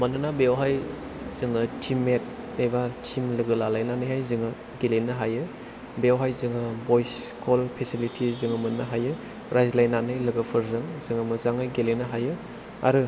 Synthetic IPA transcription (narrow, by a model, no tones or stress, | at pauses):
mɐnɯnabewɦaj | z̥ɯŋɯtʰimːet̚ | nejbatʰimlɯɡɯlalajnanɯjɦajzɯŋɯ | ɡelenɯɦajɯ | bewɦajzɯŋɯbojskʰolpʰesilitʰizɯŋɯmɐnnɐɦajɯ | ɾajzlajnːanɯjlɐɡɯpʰɯɾzɯŋzɯŋɯmɐzaŋɯjɡelenɯɦajɯ | a̰ɾɯ